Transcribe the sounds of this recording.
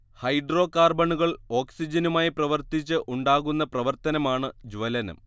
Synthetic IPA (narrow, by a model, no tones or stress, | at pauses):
hɐjɖro̞ːkaːrbɐɳuɣɐɭo̞ːksid͡ʑɐnumaːjiprɐʋɐrt̪it͡ɕːɨʔuɳɖaːɣunːɐprɐʋɐrt̪ɐnɐmaːɳɨd͡ʑuʋɐlɐnɐ̰m